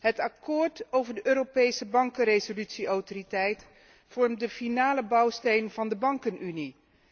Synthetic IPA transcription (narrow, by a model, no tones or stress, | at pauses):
ɦətɑkoːɹtowvəɹdəʔøːropejsəbɑŋkərejzolytsiowtoritɛjt | fɔɹmdəfinaːləbɑwstejnvɑndəbɑŋkənʔyni